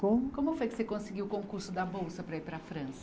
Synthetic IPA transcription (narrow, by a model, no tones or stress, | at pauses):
kõmʊkõmʊfojkɪsekõsɪɡiwʊkõkuɾsʊd̪ɐbowsɐpɾɐipɾɐfɾɐ̃sɐ